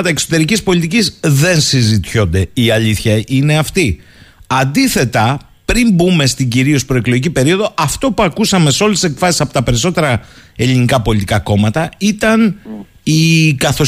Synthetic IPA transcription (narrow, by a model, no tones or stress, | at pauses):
t̪ɐekso̞t̪e̞ɾicispo̞lʲit̪icizðe̞nsizit̪ço̞nd̪e̞iɐʎiθçɐʔine̞ɐft̪i | ɐnd̪iθe̞t̪ɐ | pɾimbume̞st̪iɲɟiɾio̞spɾo̞e̞kloʝicipe̞ɾio̞ðo̞ʔɐft̪o̞puɐkusɐme̞seo̞lest̪ːise̞kfɾɐsisɐpo̞t̪ɐpe̞ɾiso̞t̪e̞ɾɐe̞linikɐpo̞lit̪ikɐko̞mɐt̪ɐit̪ɐn | ikɐθo̞